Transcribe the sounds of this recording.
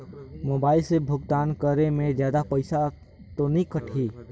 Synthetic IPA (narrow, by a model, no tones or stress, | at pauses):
moːbaːɪlsebʱʊɡt̪aːnkəɾemẽd͡ʒjaːd̪apəɪsa | t̪onĩkəʈʰiː